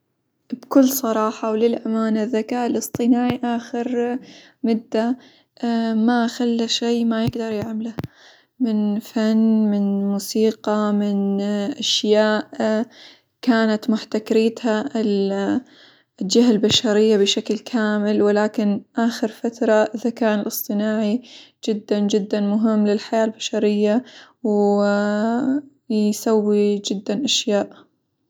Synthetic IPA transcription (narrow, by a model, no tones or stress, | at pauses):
bkʊlːsˤɑɾˤɑːħɑwlɪlʔamaːnaðːakaːʔɪlʔɨsˤt̪ˤɨnaːʕiʔaːxɪɾ | mʊd̪ːa | maxalːaʃiːmajɪɡd̪ɑɾˤjɪʕmala | mɪnfanːmɪnmuːsiːqɑmɪnʔaʃjaːʔ | kaːnat̪mʊħt̪akɾiːt̪haɪl | ld͡ʒaɦalbaʃaɾɪjːabɪʃaklkʰaːmɪlwɪlaːkɪnʔaːxɪɾfat̪ɾˤɑʔɪðakaːnɪlʔɨsˤt̪ˤɨnaːʕid͡ʒɪd̪ːand͡ʒɪd̪ːanmʊɦɪmːlɪlħajaːlbaʃɑɾɪjːa | w | sawːid͡ʒɪd̪ːanʔaʃjaːʔ